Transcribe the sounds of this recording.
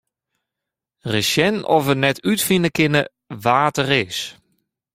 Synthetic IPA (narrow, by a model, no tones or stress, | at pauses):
resjɛnɔ̰fənɛtʰytfinəkɪnə | ʋaːtərɪːs